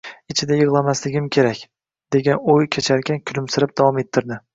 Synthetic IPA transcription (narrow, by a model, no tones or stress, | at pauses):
ɪt͡ʃʰɪd̪ajɨʁlˠamaslɪɡʲɪmkʲʰe̞ɾakʲ | d̪̥e̞ɡʲanojkʲʰet͡ʃʰaɾkʲankʲʰʊlɪmsɪɾɪp̚d̪̥avɒme̞t̪ʰːɪɾd̪ɪ